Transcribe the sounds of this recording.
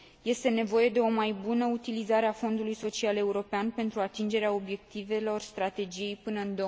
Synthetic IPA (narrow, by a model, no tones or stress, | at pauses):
je̞st̪e̞ne̞vo̞je̞d̪e̞o̞majbunəut̪ilizaɾeafo̞nd̪ulujso̞t͡ʃiale̞uɾo̞peanpe̞nt̪ɾuat̪ind͡ʒe̞ɾeao̞bje̞k̚t̪ive̞lo̞rst̪ɾat̪e̞d͡ʒije̞jpɨnəɨnd̪o